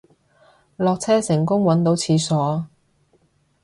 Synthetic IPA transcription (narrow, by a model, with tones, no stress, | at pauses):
lɔː˨k̚t͡sʰɛː˥sɪ˨˩ŋkʊ˥ŋwɐ˨˥nt̪o˨˥wt͡sʰiː˨˧sɔː˨˥